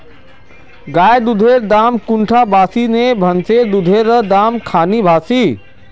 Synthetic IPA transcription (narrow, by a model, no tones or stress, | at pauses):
ɡaːjd̪ʊd̪ʱeːɾd̪aːmkʊɳʈʰabʱaːsinebʱɐnsed̪ʊd̪ʱeːɾd̪aːmkʰaːnibʱaːsiː